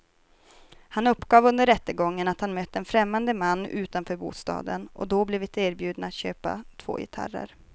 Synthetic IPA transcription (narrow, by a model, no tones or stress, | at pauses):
hanɵpːɡɑːvɵnd̪əɾɛt̪ːəɡɔŋːənat̪hanmœt̪ːɛnfɾɛmːand̪əmanːʉ̟ːt̪anfœːɾbṵːst̪ɑ̰ːd̪ənʔɔ̰d̪ɔblɛvɪt̪eːɾbjʉ̟ːd̪naːt̪ɕøːpa̰t̪ʰv̥o̰ːjɪ̰t̪ʰa̰ɾə̰ɾ